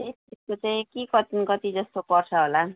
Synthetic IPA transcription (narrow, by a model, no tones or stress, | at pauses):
est͡siskot͡saĩkikʌt̪nkʌt̪id͡zʌst̪opʌrt͡sʰʌɦola